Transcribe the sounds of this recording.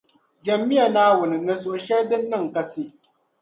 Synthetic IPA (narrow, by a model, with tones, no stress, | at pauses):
d͡ʒɐ˨mːi˦ja˨naː˦wʊ˨nɨ˨nɨ˨so˨ʔʃɛ˦ɾdɨ˦nːɨ˦˨ŋka˦si˦